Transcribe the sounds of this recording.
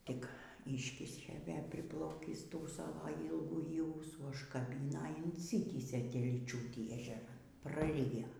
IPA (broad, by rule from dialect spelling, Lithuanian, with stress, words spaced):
ˈtʲɪk ˈiːʃʲkʲɪʃʲeː ˈʋʲeː pʲrʲɪˈplˠɐʊkʲiːs ˈtuː ˈsɑːʋoː iːlˠɡuːˈjiː ˈuːsuː ʊʃkɐˈbʲɪnɐ ɪn ɪnʲˈsʲɪtʲiːsʲeː tʲɛlʲiːˈt͡ʃʲuːtʲiː ɛʒʲɛˈrɐn prɐˈrʲɪjoː